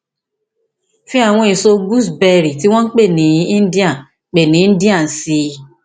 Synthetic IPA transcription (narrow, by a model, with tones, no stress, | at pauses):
fĩ˦a˦˨w̃ɔ̃˧e˨so˧ɡu˦˨sbɛ˧ɾi˨ti˦w̃ɔ̃˦n̩˦k͡pe˦˨nĩ˨˦ĩ˦n̩˦di˦ã˦˨ | k͡pe˨nĩ˨˦n̩˦di˦ã˦˨si˧